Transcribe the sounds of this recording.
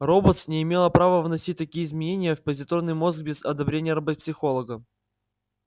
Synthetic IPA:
robot̪snʲɪɪmʲe̞lˠəpɾavəvnɐsʲit̚ʲt̪ɐkʲijəɪzmʲɪnʲenʲɪjəfpəzʲɪt̪ornɨjmo̞zɡ̚bʲezɐd̪ɐbɾʲenʲɪjəɾɐbot̪psʲɪxo̞lˠəɡə

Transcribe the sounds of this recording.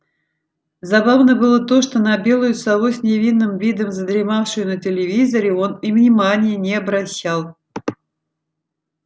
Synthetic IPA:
zɐbavnəbɨlˠət̪o̞ʂt̪o̞nɐbʲe̞lˠʊjʊsɐlˠosʲnʲɪvʲinːɨmvʲid̪əmzəd̪ɾʲɪmafʂɨjʊnətʲɪlʲɪvʲizəɾʲɪo̞nivnʲɪmanʲɪjənʲɪɐbɾɐɕːalˠ

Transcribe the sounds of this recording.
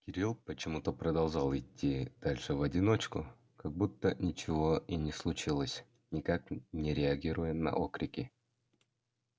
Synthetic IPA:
kʲɪɾʲilˠpət͡ɕɪmut̪əpɾəd̪ɐlˠʐalˠɪtʲːid̪̥alʲʂɨvɐdʲɪno̞t͡ɕkʊ | kɐɡ̚but̪ːənʲɪt͡ɕɪvo̞inʲɪslˠʊt͡ɕilˠəsʲ | nʲɪkaknʲɪɾʲɪɐɡʲiɾʊjənɐ̰ʔokɾʲɪkʲɪ

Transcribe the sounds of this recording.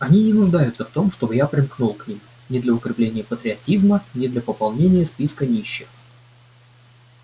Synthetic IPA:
ɐnʲinʲɪnʊʐd̪ajʊt̪səft̪o̞mʂt̪o̞bɨjapɾʲɪmknulˠknʲim | nʲɪd̪lʲəʊkɾʲɪplʲenʲɪjəpət̪ɾʲɪɐtʲizmənʲɪd̪lʲəpəpɑlˠnʲenʲɪjəspʲiskənʲiɕːɪx

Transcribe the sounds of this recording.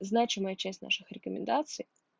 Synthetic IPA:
znat͡ɕɪməjət͡ɕæsʲtʲna̰ʂɨxɾʲɪkəmʲɪ̰nd̪at̪sɨj

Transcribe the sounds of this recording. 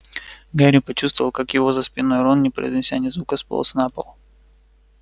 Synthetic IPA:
ɡaɾʲɪpɐt͡ɕust̪vəvəlˠkakjɪvozəspʲɪnojɾonnʲɪpɾə̰jzʲnʲɪsʲanʲɪzvukəspɐ̰l̰ˠsnapə̰lˠ

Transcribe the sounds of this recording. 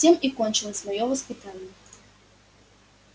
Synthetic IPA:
sʲimikɔnʲt͡ʃɨlˠɐsʲvɔjɔvɐspɨt̪anʲjɐ

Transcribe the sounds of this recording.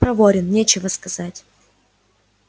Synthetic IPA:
pɾɐvoɾʲɪnnʲet͡ɕɪvəskɐzatʲ

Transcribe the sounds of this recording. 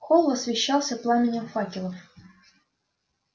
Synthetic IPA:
xolˠɐsvʲɪɕːɑlˠsʲəplˠamʲɪnʲɪmfɑkʲɪlˠəf

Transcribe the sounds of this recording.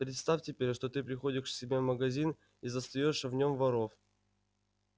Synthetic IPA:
pɾʲɪt̪st̪afʲtʲɪpʲeɾʲʂt̪ot̪ɨpɾʲɪxo̞dʲɪʂsʲɪbʲevməɡɐzʲin | izəst̪ɐjoʂvnʲo̞mvɐɾo̞f

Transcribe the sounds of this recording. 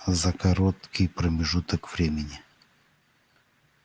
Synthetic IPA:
zɐkɐɾot̪kʲɪjpɾəmʲɪʐut̪əkv̥ɾʲemʲɪnʲɪ

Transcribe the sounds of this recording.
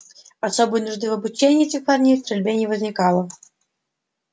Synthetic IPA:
asobɨjənʊʐd̪ɨvɐbut͡ɕenʲɪjɛtʲɪxparnʲejst̪ɾʲɪlʲbʲenʲɪvəzʲnʲɪkalˠə

